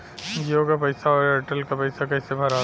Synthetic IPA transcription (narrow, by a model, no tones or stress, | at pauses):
joːkapɐɪsaɔːɾɐʈəlkapɐɪsakɐɪsebʱɐɾaː